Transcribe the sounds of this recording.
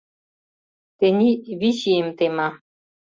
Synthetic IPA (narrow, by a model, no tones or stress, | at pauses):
t̪eniviʃimt̪ema